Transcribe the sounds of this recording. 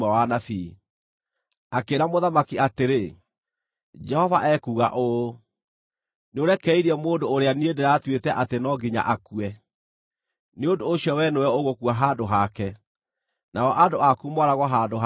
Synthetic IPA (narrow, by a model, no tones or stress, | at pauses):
ɛwanafi | akeɾamoðamakiateɾe | d͡ʒɛhɔvaʔɛkuːɣa̰ʔo | neoɾɛkɛiɾeɛmoːndoːɾeaniedeɾatwetɛʔatenɔɡiɲa̰ʔakuɛ | neondooɕiɔwɛnowɛoɣokuaɦaːdoɦakɛ | naɔʔadoakumɔɾaɣɔɦadoɦ